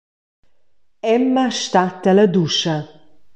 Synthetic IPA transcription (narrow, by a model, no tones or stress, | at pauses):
ɛmːaʃt̪at̪əlɐd̪uʃɐ